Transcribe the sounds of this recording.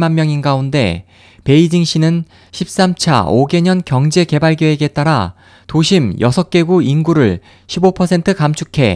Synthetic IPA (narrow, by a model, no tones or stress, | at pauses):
manmjʌŋinɡaunde̞̰ | pe̞id͡ʑiŋɕ͈ʰinɯn | ɕʰip̚s͈amt͡ɕʰa̰oɡe̞ɲʌnkjʌŋd͡ʑe̞ke̞baɭɡjʌe̞ɡet͈aɾa | toɕʰimjʌsʰʌk͈e̞ɡuinɡuɾɯɭ | ɕʰibopʰʌsʰe̞ntʰɯkamt͡ɕʰukʰe̞̰